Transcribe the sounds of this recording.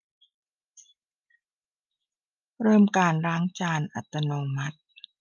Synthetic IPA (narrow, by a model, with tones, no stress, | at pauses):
ɾɤː˥˩mkaː˧nɾaː˦˥ŋt͡ɕaː˧nʔa̰˨˩t̪ːa˧noː˧ma˦˥t̪̚